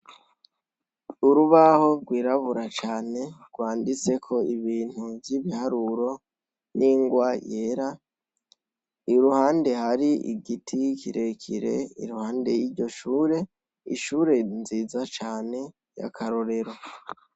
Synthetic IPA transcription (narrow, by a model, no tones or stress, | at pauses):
uɾuβaho̞ɾɡwiːɾaβuɾat͡ʃaːne̞ɡ̥waːndit͡se̞kʰo̞iβiːn̥huvjiβihaɾuɾo̞ | niːŋɡwajeːɾa | iɾuhaːnde̞haɾiḭɡitʰikiɾe̞kʰḭɾe̞̰ḭɾuhaːnde̞jiɾɟo̞ʃuːɾe̞ | ḭʃuːɾe̞nziːzat͡ʃaːne̞ | ja̰kʰaɾo̞ɾe̞ɾo̞